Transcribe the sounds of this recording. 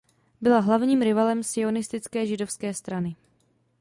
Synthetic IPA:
bɪlaɦlavɲiːmɾɪvalɛmsɪo̞nɪst̪ɪt͡skɛːʒɪdo̞fskɛːst̪ɾanɪ

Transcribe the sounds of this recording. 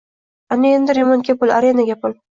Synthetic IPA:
anɪe̞nd̪ɪɾemonkʲapʊlaɾenaɡʲapʰʊl

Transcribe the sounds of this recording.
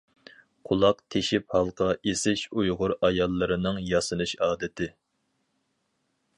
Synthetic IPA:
qʰʊlˠɑqt̪ʰeʃiphɑlˠqʰɑʔesɪʃujʁʊɾɑjɑlˠːɨɾɨnɨŋjɑsɨnɨʃɑːd̪ɪt̪ʰɪ

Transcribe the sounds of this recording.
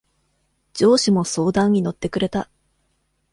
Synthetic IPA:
d͡ʑo̞ːɕimo̞so̞ːd̪ãɲ̟ːino̞t̪ːe̞kɯ̟ɾe̞t̪a

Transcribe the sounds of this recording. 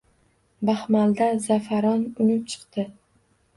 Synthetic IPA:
bahmald̪azafaɾɒnʊnɪp̚t͡ʃʰɨ̥qt̪ɪ

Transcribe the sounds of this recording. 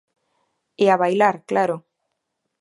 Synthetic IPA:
eaβajlaɾklaɾo

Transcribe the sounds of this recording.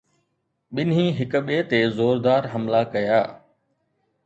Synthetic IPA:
ɓɪn̤ĩːɦɪkɓeːt̪eːzoːɾd̪aːɾɦɐmlakɐjaː

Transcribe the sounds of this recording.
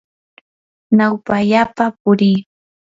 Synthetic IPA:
nawpaʎapap̚ʊɾiː

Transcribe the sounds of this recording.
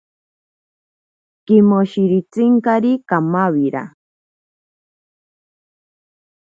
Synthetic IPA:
kimoʃiɾit͡siŋkaɾikamawiɾa̰

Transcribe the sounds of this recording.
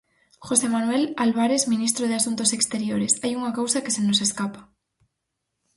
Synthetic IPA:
xosemanwelalβ̞aɾezmĩnist̪ɾoðɪasunt̪osekst̪eɾjoɾesajuŋakawsakesenoseskapḁ

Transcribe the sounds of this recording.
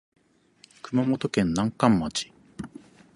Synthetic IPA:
kɯ̟mamo̞t̪o̞kẽ̞nːãŋkãmːat͡ɕi̥

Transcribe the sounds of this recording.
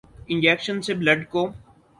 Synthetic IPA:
ɪ̃nd͡ʒeːkʃənsebləɖkoː

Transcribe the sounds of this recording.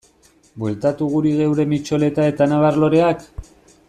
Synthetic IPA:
bwe̞lt̪at̪uɣ̞uɾiðe̞wɾe̞mit͡ʃo̞le̞t̪ae̞t̪anaβaɾlo̞ɾe̞ak

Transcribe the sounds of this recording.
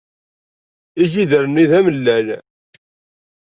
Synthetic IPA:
iʒiðəɾənːiðæməlːæn

